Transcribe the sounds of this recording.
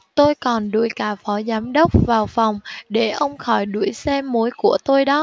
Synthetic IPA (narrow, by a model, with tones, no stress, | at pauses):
t̪o˧jkɔ˨˩nɗṵ˧˩jkaː˧˩fɔ˨˦zaː˨˦mɗə˦˥wk͡p̚vaː˨˩wfa˨˩wŋ͡mɗe˧˩ʔə˧wŋ͡mxɔ˧˩jɗu˧˩əjsɛ˧mo˨˦jku˧˩ət̪o˧jɗɔ˨˦